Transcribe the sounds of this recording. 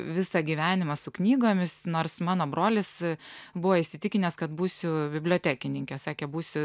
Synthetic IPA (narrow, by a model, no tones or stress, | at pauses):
ʋʲɪsɑɡʲiːʋʲæːnʲɪmɐsʊknʲiːɡoːmʲɪsnoːrsmɑːnoːbɾoːlʲɪsbʊʋoːɪʃʲsʲɪt̪ʲɪkʲɪnʲɛːskɐt̪buːsʲʊbʲɪbʲlʲoːt̪ʲæːkʲɪnʲɪŋʲkʲɛsɑːkʲebuːsʲʊ